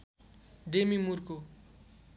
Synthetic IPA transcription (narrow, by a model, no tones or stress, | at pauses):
ɖemimurko